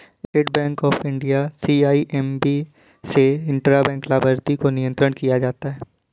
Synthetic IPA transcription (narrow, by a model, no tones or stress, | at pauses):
ɪʈbɛ̃ːŋkɔːfɪ̃ɳɖijasiːaːiʔɛmbi | seɪ̃ɳʈɾabɛ̃ːŋklaːbəɾt̪ikonijə̃nt̪ɾəɽ̃kijad͡ʒaːt̪aɦɛː